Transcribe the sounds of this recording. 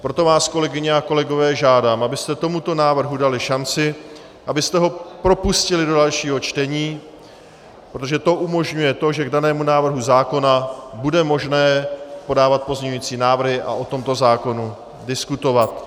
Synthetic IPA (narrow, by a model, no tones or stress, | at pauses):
pɾo̞t̪o̞vaːsko̞lɛɡɪɲɪako̞lɛɡo̞vɛːʒaːdaːmʔabɪst̪ɛt̪o̞mut̪o̞naːvr̩ɦudalɪʃant͡sɪ | ʔabɪst̪ɛɦo̞pɾo̞puscɪlɪdo̞dalʃiːɦot͡ʃt̪ɛɲiː | pɾot̪̬oʒɛt̪o̞ʔumo̞ʒɲujɛt̪o̞ʒɛɡdanɛːmunaːvr̩ɦuzaːko̞nabudɛmo̞ʒnɛːpo̞daːvat̪̚po̞zɲɛɲuiːt͡siːnaːvr̩ɦɪʔa̰ʔo̞t̪o̞mt̪o̞zaːko̞nu | dɪskut̪o̞vat̪